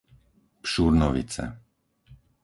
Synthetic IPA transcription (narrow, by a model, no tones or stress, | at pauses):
pʃuɾnɔʋḭt͡sɛ̰